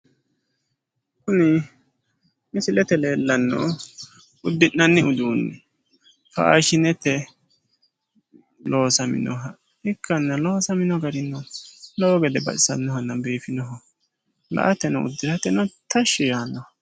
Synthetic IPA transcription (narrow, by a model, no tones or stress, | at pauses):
kʊnɪ | mɪsɪlɛt̪ɛle̞ːlːɐnːɔ̰ | ʊd̪ːɪʔːɐnːɪʊd̪uːnːɛ | fɐ̰a̰ʃɪnɛt̪ːɛ | loːsɐmɪ̰nɔɦɐ | ɪkːɐnːɐloːsɐmɪnɔɡɐɾɪnːɔlɔɡɛd̪ɛbɐ̰ʔɪsɐnːɔhɐnːɐbeːfɪnɔɦɔ | lɐ̰ʔɐt̪ːɛnɔʊ̰d̪ːɪɾɐt̪ːɛnɔt̪ɐʃːɪjaːnːɔhɐ